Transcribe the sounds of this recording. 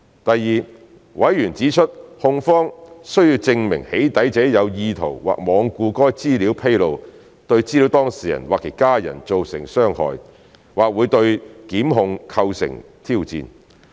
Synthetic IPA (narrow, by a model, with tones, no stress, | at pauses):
t̪ɐ˨jːiː˨ | wɐ˨˥jːyː˨˩nt͡siː˨˥t͡ʃʰɵ˥t̚hʊ˧ŋfɔː˥ŋsɥjiː˧wt͡sɪ˧ŋmɪ̰˨˩ŋhe˨˥jt̪ɐ˨˥jt͡sɛː˨˥jɐ˨˧wjiː˧t̪ʰo˨˩wwa̰ː˨k̚mɔː˨˧ŋkuː˧kɔː˥jt͡siː˥liː˨˥wpʰe˥jlo˨˧w | t̪ɵ˧ɥt͡siː˥li˨˥wt̪ɔː˥ŋsiː˨˩jɐ̰˨˩nwaː˨˩kʰe˨˩kaː˥jɐ̰˨˩nt͡so˨wsɪ̰˨˩ŋsœː˥ŋhɔ̰ː˨j | waː˨k̚wuː˨˧jt̪ɵ˧ɥkiː˨˥mɦʊ˧ŋkʰɐ˧wsɪ̰˨˩ŋt̪ʰiː˥wt͡sḭː˧n